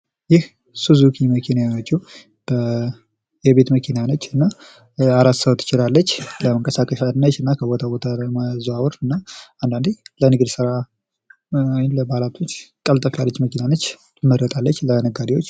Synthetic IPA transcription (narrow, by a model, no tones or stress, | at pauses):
jɪh | suzukʰiməkʰinajawot͡ʃːu | b̥ə | jɛβe̞t̪məkʰinanət͡ʃːɨnːa | aɾat̪səwt̪ʰːɨ̥t͡ʃɪlalːət͡ʃːləməŋkʼəsakʼəʃanːət͡ʃːɨnːakʰəbɔt̪ʰabot̪ʰamazuawɔɾɨnːaand̪and̪elənɨɡd̪sɨɾa | ajɪnləbalat̪ʰo̞t͡ʃːkʼəlt̪ʼəfalːət͡ʃːməkinanət͡ʃː | məɾət̪ʼalːət͡ʃːlənəɡad̪iwo̞t͡ʃː